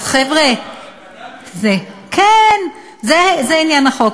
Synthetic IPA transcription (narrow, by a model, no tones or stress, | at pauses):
χevʁe | zekʰen | zezeinjanaχok